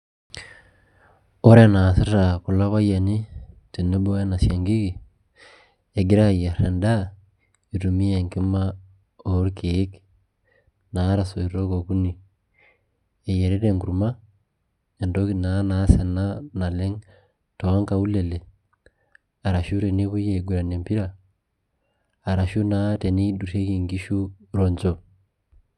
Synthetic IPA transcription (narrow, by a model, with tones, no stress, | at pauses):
o˦ɾe˦na˨si˦ɾa˨ku˨la˦βa˦ja˨ni˦ti˨ne˦bo˦a˦na˨sja˨ŋɡi˦ki˨ | e˨ɡi˦ɾa˦˨ja˨ɾa˨nda˦ | i˨ɾu˨mi˦e˨ŋki˦ma˦ | o˨˦ɾke˦k | na˨˦ɾa˨so˨i˨ɾo˦ko˨ku˦ni˨ | e˨je˨ɾe˦ɾe˨ŋɡu˨ɾuma˦ | e˨ndo˦kina˨˦na˨˦sa˨na˦na˨le˦ŋ | to˨a˦ŋka˨u˦lɛ˨le˨ | a˨ɾa˨ʃu˦ɾe˨ne˦βu˦jeɡu˨ɾa˨ne˨mpi˦ɾa˨ | ɾa˨ʃu˦na˨˦te˨ni˦i˦du˨ɾe˦ki˨ŋɡi˦ʃu˦ɾɔ˨ɲd͡ʒɔ˨